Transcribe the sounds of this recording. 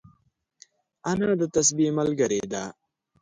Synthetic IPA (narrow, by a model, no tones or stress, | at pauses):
ɐnãːd̪ət̪ɐsbimɐlɡɐɾed̪aː